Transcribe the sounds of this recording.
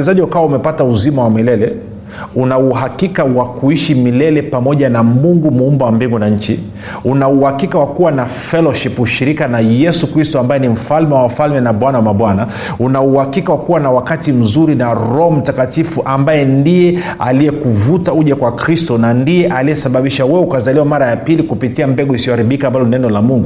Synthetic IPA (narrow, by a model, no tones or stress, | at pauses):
ɛzaʄiwakawaumɛpatauzimawamilɛlɛ | unauɦakikawakuiʃimilɛlɛpamɔʄanamuŋɡumuumbawambiŋɡunaɲ̩t͡ʃḭ | unauhakikawakuwana | fɛlɔʃipuʃiɾikanajɛsukɾistɔambajɛnim̩falmɛwamfalmɛnaɓwanawamaɓwana | unauhakikawakuwanawakatim̩zuɾinaɾɔɔm̩takatifuʔambajɛndijɛ | a̰lijɛkuvutauʄakwakɾistɔnandijɛʔaliɛsaɓaɓiʃawɛukazaliwamaɾajapilikupitiambɛɡuisiɔhaɾiɓikambalɔninɛnɔlamuŋɡu